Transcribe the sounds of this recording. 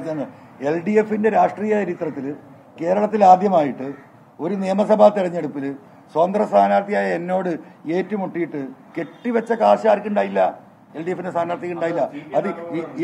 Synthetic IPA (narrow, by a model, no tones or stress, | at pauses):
t͡ɕenːɨ | e̞lɖie̞fːinde̞ɾaːʂʈriːjɐɐɾit̪rɐt̪ːil | ke̞ːɾɐɭɐt̪ːilaːd̪jɐmaːjiʈːɨ | o̞ɾunijɐmɐsɐbʱaːt̪iɽɐɲːe̞ɽupːil | swɐnd̪rɐst̪ʰaːnaːɾt̪ʰijaːjɐe̞nːo̞ːɽɨe̞ːtːumuʈːijiʈːɨke̞ʈːiʋɐt͡ɕːɐkaːɕaːrikʲːuɳɖaːjilːɐ | elɖijefːinde̞saːnaːɾt̪ʰikʲːuɳɖaːjilːɐɐðɨi